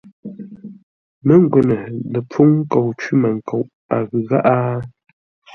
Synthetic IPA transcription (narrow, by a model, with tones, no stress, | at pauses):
mə˦ŋ˦ɡwɛ˨nə˨nə˨po˦ŋ˦ko˨wt͡ʃi˦mə˨ŋ˨ko˨w | a˨ɣɨ˨ɣa˦ʔa˦